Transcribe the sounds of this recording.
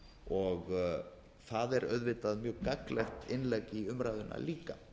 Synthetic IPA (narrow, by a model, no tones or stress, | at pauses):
ɔɣ | θaðɛɾœ̰ðvɪːt̪aðmjœːɣkaklɛxt̪ɪnlɛkiʏmɾaːjðʏna̰liːka